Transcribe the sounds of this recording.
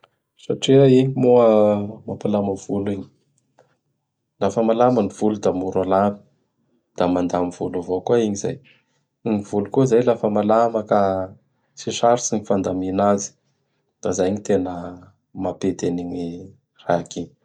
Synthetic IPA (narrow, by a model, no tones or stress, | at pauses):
saʈ͡ʂiaiɲimuəmapalaməv̥uliɲi̥ | lafəmalaməniv̥ulud̪amuɾalami̥ | d̪̥amand̪amivulavokuaiɲiza̰j | iɲiv̥ulukuizajlafəmalaməka | siʂaɾisiɲifand̪aminazi̥ | d̪̥azajɲit̪enə | mapet̪eniɲi | raakiɲ